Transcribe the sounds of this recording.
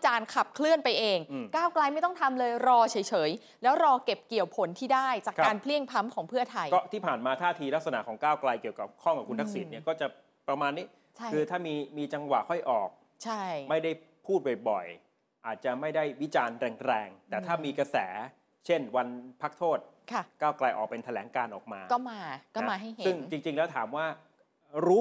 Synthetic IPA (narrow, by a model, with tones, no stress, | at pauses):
t͡ɕaː˧nkʰa˨˩p̚kʰlɯ˥˩ənpa˧jʔeː˧ŋː˧˩kaː˥˩wkla˧jma˥˩jt̪ɔ˥˩ŋt̪ʰa˧mlɤː˧jɾɔː˧t͡ɕʰɤ˩˦jt͡ɕʰɤː˩˦j | lɛː˦˥wɾɔː˧ke˨˩p̚ki˨˩əwpʰo˨˩˦nt̪ʰiː˥˩daː˥˩jt͡ɕaː˨˩kʰakaː˧npʰli˥˩əŋpʰa˦˥mkʰɔː˩˦ŋpʰɯ˥˩ɐt̪ʰa˧jkɔː˥˩t̪ʰiː˥˩pʰaː˨˩nmaː˧t̪ʰaː˥˩t̪ʰiː˧la˦˥k̚sa˧na̰˨˩˨kʰɔː˩˦ŋkaː˥˩wkla˧jki˨˩əwka˨˩p̚kʰɔ˥˩ŋka˨˩p̚kʰu˧nt̪ʰa˦˥ksi˨˦nːi˥˩ɐkɔː˥˩t͡ɕa˨˩ | pɾa˧maː˧nːiː˦˥ | t͡ɕʰa˥˩kʰɯː˧t̪ʰaː˥˩miː˧miː˧t͡ɕa˧ŋwa̰˨˩ʔkʰɔ˥˩jʔɔː˨˩k̚ | t͡ɕʰa˥˩jma˥˩jda˥˩jpʰuː˥˩t̪̚bɔ˨˩jbɔ˨˩j | ʔaː˨˩t̪̚t͡ɕa˨˩ma˥˩jda˥˩jwi˦˥t͡ɕaː˧nɾɛː˧ŋɾɛː˧ŋt̪ɛː˨˩t̪ʰaː˥˩miː˧kɾa˧sɛ̰ː˩˦ | t͡ɕʰe˥˩nwa˧npʰa˦˥k̚t̪ʰoː˥˩t̪̚kʰa˥˩kaː˥˩wkla˧jʔɔː˨˩pe˧nt̪ʰa˧lɛː˩˦ŋkaː˧nʔɔː˨˩k̚maː˧kɔː˥˩maː˧kɔː˥˦aː˧ɦa˥˩jhesɯ˩˥˦ŋt͡ɕi˧ŋt͡ɕi˧ŋlɛː˦˥wt̪ʰaː˩˦mwaː˥˩ | ɾuː˦˥